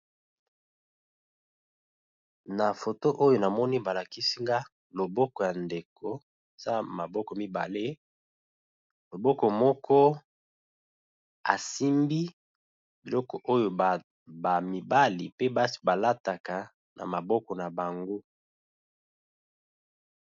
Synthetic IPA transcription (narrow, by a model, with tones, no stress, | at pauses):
na˨fo˨to˦ʔo˦jo˨na˨mɔ˦ni˦ba˨la˨ki˦si˦ŋɡa˦ | lo˨bɔ˦kɔ˨ja˨nde˨kʰo˨ | za˦ma˨bɔ˦kɔ˨mi˦ba̰˨le˦ | lo˨bɔ˦kɔ˨mɔ˦kʰɔ˦ | a̰˨si˦mbi˦ | bi˨lɔ˦kɔ˨ʔo˦jo˨ | ba˨mi˨ba˦li˨pe˦ba˦ba˨la˦ta˨ka˨ | na̰˨ma˨bɔ˦kɔ˨na˨ba˨ŋɡo˦